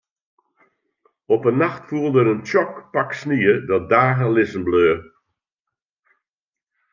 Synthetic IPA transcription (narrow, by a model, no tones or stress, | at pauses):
ɔpənːaxtfuəlˠdəɾəntɔkpaksniədɔt̚daːɣəlɪsən̩bløː